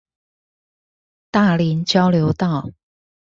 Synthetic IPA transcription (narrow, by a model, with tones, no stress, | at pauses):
t̪a˥˩li˨˧˥nt͡ɕjɑ˥ʊljo˧˥ʊt̪ɑ˥˩˨ʊ